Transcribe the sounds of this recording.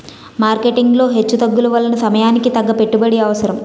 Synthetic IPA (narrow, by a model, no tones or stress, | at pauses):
maːɾke̞ʈiŋɡlo̞ːɦe̞t͡ʃːud̪ɐɡːulɐʋɐlːɐnɐsɐmɐjaːnikit̪ɐɡːɐpe̞ʈːubɐɽiɐʋɐsɐɾɐm